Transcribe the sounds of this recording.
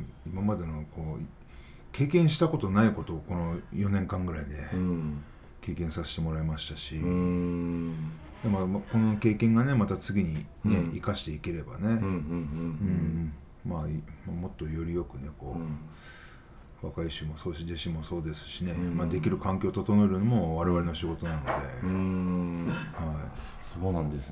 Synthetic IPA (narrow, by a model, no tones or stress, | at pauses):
imamad̪e̞noko̞ː | kʰe̞ːkẽ̞ɰ̃ɕi̥t̪ako̞t̪o̞naiko̞t̪o̞ko̞no̞jo̞nẽ̞ŋkãŋɡɯ̟ɾaid̪e̞ | ke̞ːkẽ̞ɰ̃sase̥t̪e̞mo̞ɾaemaɕi̥t̪aɕi | j̪amamako̞no̞ke̞ːkẽ̞ŋɡane̞mat̪at͡sɨɡʲiɲ̟ine̞ikaɕi̥t̪e̞ike̞ɾe̞ba̰ne̞ | ɯ̃ː | maimamo̞t̪ːo̞jo̞ɾʲijo̞kɯ̟ne̞ko̞ː | βakaiɕɨmo̞so̞ːɕid̪eɕĩmːo̞so̞ːd̪e̞sɨ̥ɕine̞mad̪e̞kʲiɾɯ̟kãŋkʲo̞ːt̪ot̪o̞noeɾɯɲimo̞βaɾe̞βaɾe̞noɕiɡo̞t̪o̞nano̞d̪e̞ | haḭ | soːnãnd̪es